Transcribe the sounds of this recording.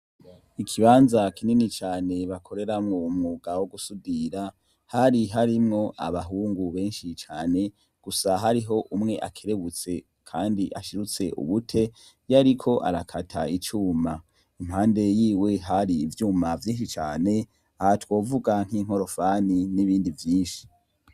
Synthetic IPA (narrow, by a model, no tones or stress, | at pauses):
ikʰiβaːnzakininit͡ʃaːne̞βakʰo̞ɾe̞ɾamŋomŋuːɡawoɡusudiɾa | haɾiɦaɾimŋo̞ʔa̰βaɦuːŋɡuβe̞ːnʃit͡ʃaːne̞ | ɡ̥usaɦaɾiɦo̞ʔumŋe̞ʔa̰kʰeɾe̞βut͡se̞ | kʰaːndiʔa̰ʃiɾut͡se̞ʔṵβutʰe̞ | jaɾikʰo̞ʔa̰ɾakʰatʰait͡ʃuːma | im̥haːnde̞jiːwe̞ɦaɾiːvjuːmavjiːnʃ̬it͡ʃaːne̞ | ahatwo̞ːvuɡaŋ̥hiŋ̥ho̞ɾo̞faniniβiːndivjiːnʃi̥